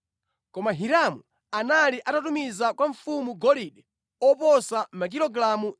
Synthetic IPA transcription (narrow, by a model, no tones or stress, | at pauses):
kɔmaɦiɾamu | analiʔatatumizakwaɱfumuɡɔliɗɛ | ɔpɔsamak̬ilɔɡɾamu